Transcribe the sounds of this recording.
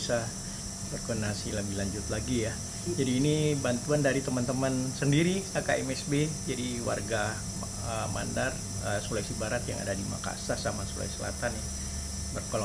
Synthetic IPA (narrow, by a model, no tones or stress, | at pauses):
sa | bərkɔndənasiləbihlaɲd͡ʒʊt̪laɡija | d͡ʒadiːnibant̪uandaɾit̪əmant̪əmansəndiɾiakaɛmɛsbed͡ʒadiwa̰rɡa | əma̰ndar | əsolajsibaɾat̪ja̰ŋa̰dadima̰ka̰sahsamasula̰jsəla̰t̪anɪ | bərkol